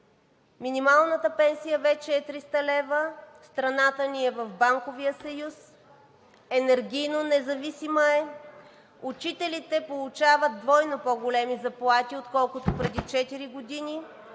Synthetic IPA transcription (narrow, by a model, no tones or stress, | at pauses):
minʲimalˠnət̪əpɛnsijəvɛt͡ʃɛːt̪ɾist̪əlɛvəst̪ɾɐnat̪əniɛvɐfbaŋkovijəsɐjus | ɛnɛɾɡʲijnonɛzɐvisiməɛ | ut͡ʃit̪ɛlit̪ɛpolˠut͡ʃavət̪̚d̪vɔjnopoɡolɛmizɐplˠat̪iot̪kɔlˠkʊt̪opɾɛd̪it͡ʃɛt̪iɾiɡod̪inʲi